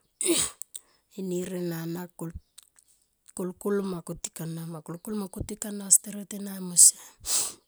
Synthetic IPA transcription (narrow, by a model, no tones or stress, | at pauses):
iniɾenanak | kulkulmakuti̥kanamakulkulmakutikanasteɾatenamose